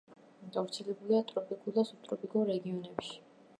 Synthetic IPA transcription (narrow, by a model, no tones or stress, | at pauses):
ɡavɾt̪sʰɛlɛbuliat̪ʼɾɔpʰʼikʼud̪asup̚t̪ʼɾɔpʼikʼɔɾɛɡiɔnɛpʃi̥